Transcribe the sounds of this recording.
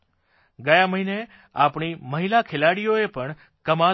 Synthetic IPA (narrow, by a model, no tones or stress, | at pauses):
ɡəjãməɦine | apɳiməɦilakʰelaɽijoepəɳ | kəma